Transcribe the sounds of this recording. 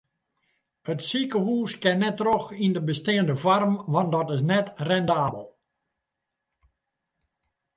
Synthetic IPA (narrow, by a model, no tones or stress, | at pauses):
ətsikəɦuːskɛnːɛtroxindəbəstiəndəvarmʋɑndɔtɪs̬nɛtrɛndaːbəlˠ